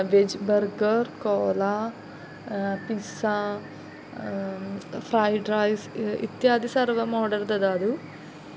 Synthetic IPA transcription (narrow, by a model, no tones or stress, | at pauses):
ʋed͡ʒbɐɾɡɐɾkoɔːla | pisa | pʰɾaːjɖɾaːjsḭt̪jaːd̪isɐɾʋɐmɔːɖɐɾd̪ɐd̪aːd̪u